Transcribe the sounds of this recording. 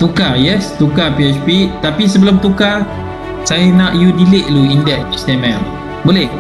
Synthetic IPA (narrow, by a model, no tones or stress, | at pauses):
t̪ukajɛst̪ukapiɛt͡ʃpit̪apis̬əbəlʊmt̪uka | sajanaʔjudilɪʔluindɛʔ̚st̪ɛmɛm | bolɛh